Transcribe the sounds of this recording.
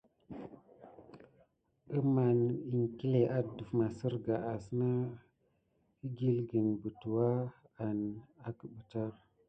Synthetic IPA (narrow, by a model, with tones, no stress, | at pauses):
ə˦ma˨ni˨ŋki˦le˨ʔa˦du˨fma˨sə˦ɾɡa˨a˨sna˦ | i˦ɡi˦lɡə˨nbə˨tu˨wa˦ | a˨na˨kə˨ɓə˨ta˦